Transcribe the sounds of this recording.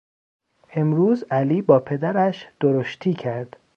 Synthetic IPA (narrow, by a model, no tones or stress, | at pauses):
ʔe̞mɾuːzæliːbɒːpʰe̞d̪æɾæʃd̪̥oɾoʃt̪ʰiːcʰæɾd̪̥